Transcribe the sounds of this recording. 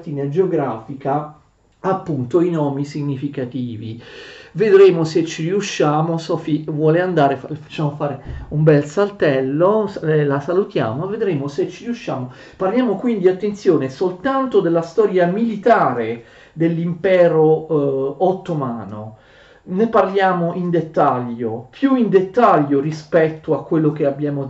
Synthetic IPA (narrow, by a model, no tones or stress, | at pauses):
t̪iːnad͡ʒeoɡɾaːfika | apːunt̪oinɔːmisiɲːifikat̪iːvḭved̪ɾeːmoset͡ʃːiɾiuʃːaːmosɔfivwɔːleand̪aːɾefafḁt͡ʃːaːmofaːɾeumbɛlsalt̪ɛlːoslasalut̪ja̰ːmoved̪ɾeːmoset͡ʃːiɾiuʃːaːmo | parljaːmokwind̪iat̪ːent̪sjoːnesolt̪ant̪od̪elːast̪ɔːɾjamilit̪aːɾe | d̪elːimpɛːɾoː | t̪ːomaːno̰ | neparljaːmoʔind̪et̪ːaʎːopʰjuind̪et̪ːaʎːorispɛt̪ːoakːwelːok̟eabjaːmo